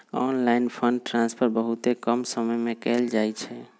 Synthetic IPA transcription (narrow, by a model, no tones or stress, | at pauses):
ɔnlainpʰəɳɖʈɾãnspʰəɾbəɦut̪ekəmsəməjmekɛld͡ʒajt͡ʃʰɛ